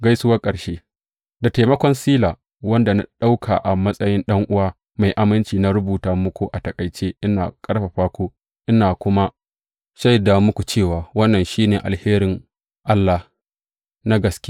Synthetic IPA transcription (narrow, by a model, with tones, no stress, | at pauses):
ɡa˦jsʊ˦wɐ˦kʼɐ˨ʃeː˦ | da˨ta˨mɐ˦kʷɔ˦nsiː˦laː˨ | wɐ˦nda˨na̰˦ɗa˦wkʰa̰ː˨ʔa˨mɐ˦sʼɐ˦jɪ˦nɗɐ˦ŋʔʊ˦waː˦ | ma˨jʔa˨mɪ˦nt͡ʃiː˨na˦ɾʊ˦buː˨taː˨mʊ˦kʷu˨ʔa˨tɐ˨kʼɐ˨jt͡ʃeː˦ʔɪ˦na̰ː˨kʼɐ˦ɽɸa˨ɸaː˦kʷoː˦ | ʔɪ˦naː˨kʷʊ˦ma˦ | ʃa˦jda˨mʊ˦kʷu˨t͡ʃeː˦˨waː˨wɐ˦nːɐ˨nʃiː˦neː˨ʔa̰˨lheː˦ɾɪ˨ŋ | ʔa˦lːa˨h | na˦ɡɐ˨skʲe˦